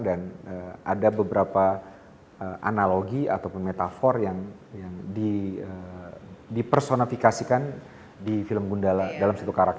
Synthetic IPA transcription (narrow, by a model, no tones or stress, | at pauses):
danəa̰dabəbəɾapa | əʔa̰naloɡia̰t̪awpʊnmet̪afɔrjaŋ | jaŋdiə | dipərsonafikasikan | difiləmɡundaladalamsat̪ukaɾak̚